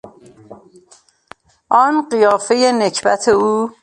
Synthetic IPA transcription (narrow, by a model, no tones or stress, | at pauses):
ʔɒːnɢijɒːfejenecʰbæ̰t̪ʰeuː